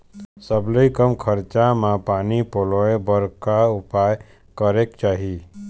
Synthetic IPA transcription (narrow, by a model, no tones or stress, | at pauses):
səbləikəmkʰəɾt͡ʃamãpaːnipoloebəɾkaʊpaːj | kəɾekt͡ʃaːɦi